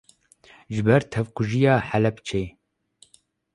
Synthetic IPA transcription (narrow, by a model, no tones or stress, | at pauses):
ʒɨbɛɾt̪ʰɛvkuʒijaːħælɛpt͡ʃʰeː